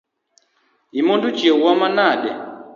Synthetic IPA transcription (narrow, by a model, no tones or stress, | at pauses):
imondut͡ʃjewwamanaɗɛ